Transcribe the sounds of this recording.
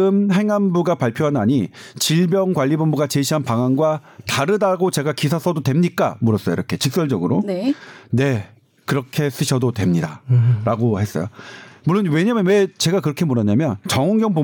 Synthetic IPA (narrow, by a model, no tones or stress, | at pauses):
ɯmɦe̞ŋanbuɡapaɭpʰjoɦanaɲit͡ɕiɭbjʌŋkwaʎːibombuɡat͡ɕeɕʰiɦanpaŋanɡwa | taɾɯdaɡot͡ɕe̞ɡakisʰasʰʌdotwe̞mɲik͈a̰muɾʌs͈ʌjo̰iɾʌkʰe̞t͡ɕɯk̚s͈ʌɭd͡ʑʌɡɯɾonne̞ | kɯɾʌkʰe̞s͈ɯɕʰʌdotwe̞mɲida̰ɾaɡohe̞s͈ʌ̰jomuɭːonwe̞ɲamjʌnwe̞t͡ɕe̞ɡakɯɾʌkʰe̞muɾʌɲamjʌnt͡ɕʌŋʌŋɡjʌŋbo